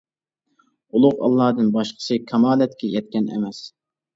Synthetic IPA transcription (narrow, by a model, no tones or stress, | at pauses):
ulˠʊqɑ̰lˠːɑːd̪ɨnbɑʃqʰə̥sɨkʲʰɑmɑːlɛt̪̚kʲʰɛjɛt̪̚kʲɛnɛ̰mɛs